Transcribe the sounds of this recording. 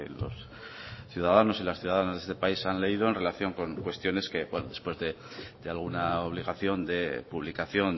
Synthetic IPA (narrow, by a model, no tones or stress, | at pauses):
elo̞̰s | θjuðaðano̞silasθjuðaðanazðest̪epaisanle̞ið̞o̞e̞nre̞laθjo̞ŋko̞ŋkwe̞st̪jo̞ne̞ske̞bwenoðe̞spwe̞zðe̞ | d̪ealɣ̞unaoβ̞liɣaθjo̞nd̪e̞puβlikaθjo̞n